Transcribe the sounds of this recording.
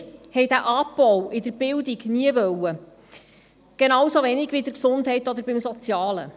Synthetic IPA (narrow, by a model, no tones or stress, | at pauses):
hɛjdæʔɑbɔwɪd̪əɾb̥ɪldiɡniəvœwə | ɡ̥enɑwsovɛnɪɡ̥vidəɾksʊndhɛɪtɔd̪əɾbɪmsɔt͡sjɑːlə̰